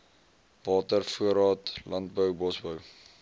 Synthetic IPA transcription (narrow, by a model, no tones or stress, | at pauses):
vɑːtərfuəɾɑːtlɐnt̚bəwbɔsbəw